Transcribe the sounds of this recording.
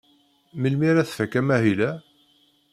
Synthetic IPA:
məlmiɾæθfækːæmæɦilæ

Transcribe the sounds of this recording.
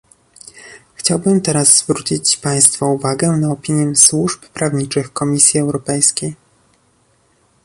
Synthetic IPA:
xt͡ɕawbɘmt̪ɛɾazzvɾut͡ɕit͡ɕpaj̃st̪fauvaɡɛnaɔpʲiɲjɛswuʂppɾavɲit͡ʂɘxkɔmʲisʲjiɛwɾɔpɛjskʲej

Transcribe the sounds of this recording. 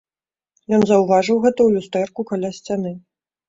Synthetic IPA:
jɔnzɐwvaʐɨwɣɛt̪ɐwlʲust̪ɛrkukalʲasʲt͡sʲanɨ

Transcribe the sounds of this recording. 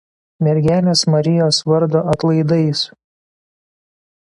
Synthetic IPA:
mʲɛɾʲɡʲæːlʲeːsmɐɾʲɪjoːsʋɐɾd̪oːɐt̪lˠɐɪd̪ɐɪs

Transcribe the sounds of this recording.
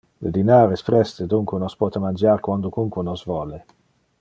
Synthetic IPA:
lḛd̪inaːɾesfɾɛst̪ed̪uŋkwenɔspɔːt̪emand͡ʒaːɾkwand̪ʊkuŋkwunɔzvɔːle

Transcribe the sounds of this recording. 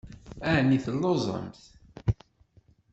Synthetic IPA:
ænːiθəlːozˤə̰mθ

